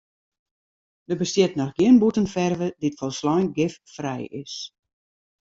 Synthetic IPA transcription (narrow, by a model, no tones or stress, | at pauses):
dəbəstjɪtnɔxɡiənbutənfɛrvəditfɔlˠslɔjnɡɪffrɛjɪs